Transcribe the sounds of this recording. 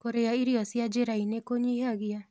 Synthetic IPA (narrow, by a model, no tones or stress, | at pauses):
koɾeaiɾiɔsjad͡ʒeɾainekoɲiɦaɣia